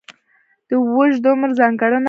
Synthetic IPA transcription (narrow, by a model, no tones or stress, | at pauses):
d̪̥əwəʒd̪omɾzɑŋɡaɽən